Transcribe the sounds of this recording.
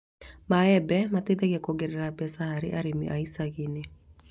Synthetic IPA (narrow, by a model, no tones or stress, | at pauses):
maɛbɛmated̪ɛɣɛkɔɡɛɾɛɾabɛsahaɾɪʔaɾimiʔaisaɣine